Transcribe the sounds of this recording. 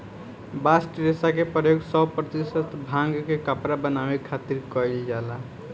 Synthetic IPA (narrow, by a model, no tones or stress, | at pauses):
basʈɾesakepɾəjoɡsəbpɾət̪isət̪bʱãŋɡkekapɾabənaʋekʰat̪iɾkɔjd͡ʒd͡ʒala